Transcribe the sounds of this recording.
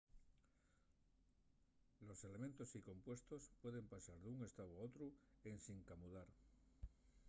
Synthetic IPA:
lo̞se̞le̞mẽnt̪o̞siko̞mpwe̞st̪o̞spwe̞ðe̞mpasaɾðuŋe̞st̪awao̞t̪ɾue̞nsiŋkamuðaɾ

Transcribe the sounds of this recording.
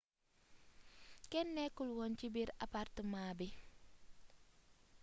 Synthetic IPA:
kɛnːɛkulwɔnt͡ʃibiɾa̰partəmaːbi

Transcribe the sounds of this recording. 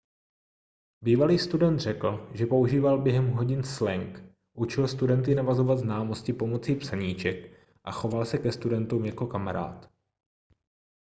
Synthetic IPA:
biːvaliːst̪udɛnt̪r̝ɛkl̩ʒɛpo̞uʒiːvalbjɛɦɛmɦo̞ɟɪnslɛŋk | ʔut͡ʃɪlst̪udɛnt̪ɪnavazo̞vat̪znaːmo̞scɪpo̞mo̞t͡siːpsaɲiːt͡ʃɛk | ʔa̰xo̞valsɛkɛst̪udɛnt̪uːmjako̞kamaɾa̰ːt̪

